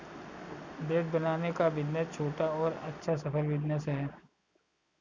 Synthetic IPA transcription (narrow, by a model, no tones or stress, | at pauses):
beːʈ̪̚bɐnaːnekaʋɪd̪nəst͡ʃʰoːʈaɔːɾɐ̰tːʃʰasɐpʰəlʋɪd̪nəsɦɛː